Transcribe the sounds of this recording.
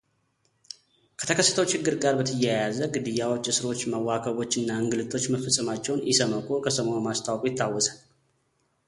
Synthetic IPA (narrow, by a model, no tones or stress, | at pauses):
kʰət̪ʰəkʰəsːə̥t̪ʰəwt͡ʃʰɪɡːɨɾɡaɾbət̪ʰɨjːajazəɡɨd̪ɨjawo̞t͡ʃːɨsɨɾot͡ʃːməwːakʰəβo̞t͡ʃːɨnːaɨŋɡɨlɨt̪ʰo̞t͡ʃːməfəsʼəmat͡ʃːɛwnjɪsəməkʼokʰəsəməomast̪ʰawkʼujɪt̪ːawːɔsal